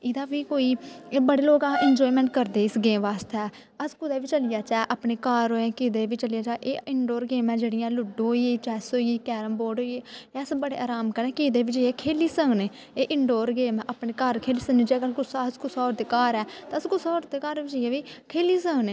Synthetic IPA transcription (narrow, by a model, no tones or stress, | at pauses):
ɪd̪aːʋiːkoːiːbəɽeːloːkãːʔɪnd͡ʒɔːimɛ̃ːɳʈ̚kəɾd̪eːɪsɡẽːʋaːst̪ɛː | əskʊd̪eːʋiːt͡ʃəlɪjaːt͡ʃɛːʔapneːkaːɾoːẽːkiːd̪eːʋiːt͡ʃəlɪjaːt͡ʃaːʔeːɪɳɖoːɾɡeːmɛ̃ːd͡ʒeːɽɪjãːlʊɖoːieːt͡ʃɛːsoːiiːkɛːɾəmboːɖoːieɛsbəɽeːʔaːɾaːmkənɛ̃ːkiːd̪eːʋiːt͡ʃəiɛːkʰeːliːsəːneː | eːʔɪɳɖoːɾɡeːmɛ̃ːʔəpneːkəɾkʰeːliːsənĩːd͡ʒeːkəlkʊsaskʰʊsɔːɾt̪eːkaːɾɛːt̪ːskʊsaːɾt̪eːkaːɾit͡ʃəjãʋiːkʰeːliːsəːneː